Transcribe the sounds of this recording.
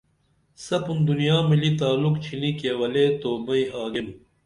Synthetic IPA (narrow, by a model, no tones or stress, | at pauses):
sɐpund̪unijaːmilit̪aːlukt͡ɕʰinikewɐleːt̪oːmɐiaːɡenu